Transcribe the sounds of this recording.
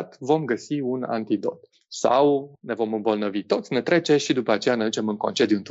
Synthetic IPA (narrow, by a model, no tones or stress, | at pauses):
t̪vo̞mɡəsiuna̰nt̪id̪o̞̰t̪ | sa̰wne̞vo̞mɨmbəlnəvit̪o̞t̪sʲne̞t̪ɾe̞t͡ʃe̞ʃid̪upəat͡ʃe̞janed̪ut͡ʃe̞mɨŋko̞nt͡ʃed̪ʲjunt̪